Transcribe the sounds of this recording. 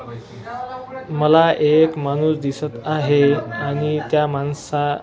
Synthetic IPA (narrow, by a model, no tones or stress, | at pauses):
məlaʔekmañusd̪isət̪aɦeaɽ̃it̪jamansa